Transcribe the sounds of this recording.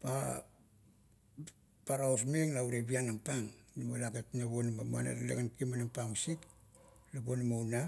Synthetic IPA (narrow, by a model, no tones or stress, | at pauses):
pa | paɾawsmeŋnauɾebianampaŋnimalaketnaβonmama̰na̰ɾlḛɡankimanampamsik̚ | labonimawna